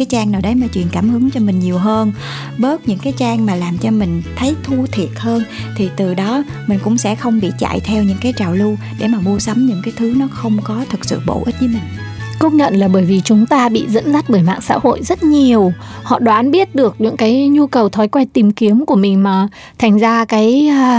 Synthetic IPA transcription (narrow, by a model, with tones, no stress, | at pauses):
aː˨˦jt͡ɕaː˧ŋnaː˨˩wɗə˨˦jmaː˨˩t͡ɕwḭ˧˨ənkaː˧˩mhɨ˨˦ŋt͡ɕɔ˧mï˨˩ŋ̟ɲi˨˩əwɦəː˧n | ɓəː˦˥t̚ɲɨ̰˧˥ŋkaː˨˦jt͡ɕaː˧ŋmaː˨˩laː˨˩mt͡ɕɔ˧mï˨˩ŋ̟t̪ʰə˨˦jt̪ʰu˧t̪ʰi˨˩ət̚həː˧nt̪ʰi˨˩t̪ɨ˨˩ɗɔ˨˦ | mï˨˩ŋ̟kʊ̰˧˥ŋ͡msɛ̰˧˥xə˧wŋ͡mɓḭ˧˨t͡ɕa̰˧˨jt̪ʰɛ˧wɲɨ̰˧˥ŋkaː˨˦jt͡ɕaː˨˩wlu˧ | ɗe˧˩maː˨˩mu˧əsə˨˦mɲɨ̰˧˥ŋkaː˨˦jt̪ʰɨ˨˦nɔ˨˦xə˧wŋ͡mkɔ˨˦t̪ʰɨ˨˩k̚sɨ̰˧˨ɓo̰˧˩˨ʔi˦˥t̟̚ɲɨ˨˦mï˨˩ŋ̟ | kə˨˦ɲə̰˧˨nlaː˨˩ɓəː˧˩jvi˨˩t͡ɕʊ˨˦ŋ͡mt̪aː˧ɓḭ˧˨zə̰˧˥nza˦˥t̚ɓəː˧˩jma̰ː˧˨ŋsa̰ː˧˥ho̰˧˨jzə˦˥t̚ɲi˨˩əw | hɔ̰˧˨ɗwaː˨˦nɓi˦˥ət̚ɗɨ˨˩ək̚ɲɨ̰˧˥ŋkaː˨˦jɲu˧kə˨˩wt̪ʰɔ˨˦jkwa˧jt̪i˨˩mki˨˦əmku˧˩əmï˨˩ŋ̟maː˨˩ | t̪ʰa˨˩jŋ̟zaː˧kaː˨˦j